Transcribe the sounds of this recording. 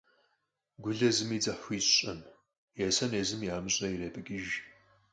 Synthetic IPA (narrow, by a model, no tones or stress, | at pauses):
ɡʷʊɮɐzɨmiːd͡zɐħʷiːɕɕʼɐm | jɛsɐneːzɨmjaːmɨɕʼɐjireːpʼɨkʲʼɪʒ